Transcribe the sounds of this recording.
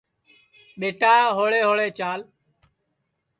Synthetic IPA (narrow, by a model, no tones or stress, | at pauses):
ɓeːʈaːɦoːɭeːɦoːɭeːt͡ʃaːl